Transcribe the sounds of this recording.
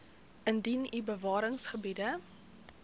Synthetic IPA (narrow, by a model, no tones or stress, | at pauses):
ʔəndinibəvɑːɾəŋsχəbidə